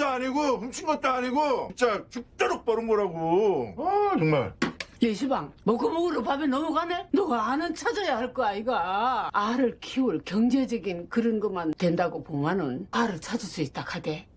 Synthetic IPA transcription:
aaɲiɡoɸumɕʰinɡʌt͈̚oaɲiɡot͡ɕ͈ak̚t͡ɕuk̚t͈ʌɾok̚p͈ʌɾɯnɡʌɾaɡoʌt͡ɕʌŋma̰ɭjeɕʰibaŋmʌɡɯmoɡɯɾopabenʌmuɡanenʌɡaːnɯnt͡ɕʰad͡ʑʌjahaɭk͈ʌaiɡaaɾɯɭkʰiuɭkjʌŋd͡ʑed͡ʑʌɡinkɯɾɯnɡʌmantwe̞ndaɡopomanɯnaɾɯɭt͡ɕʰad͡ʑɯɭs͈uit̚t͈akʰade̞

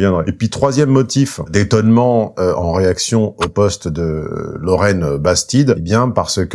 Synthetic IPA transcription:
vjɛ̃d̪ʁɛepɥit̪χwazjɛmːɔt̪ifd̪et̪ɔnmɑ̃øɑ̃ʁeaksjɔ̃opɔst̪d̪əlɔʁɛnbast̪id̪ebjɛ̃paʁsək

